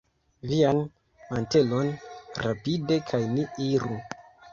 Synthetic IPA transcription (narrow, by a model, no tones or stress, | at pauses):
vian | mante̞lo̞nɾapide̞kʰajniiɾu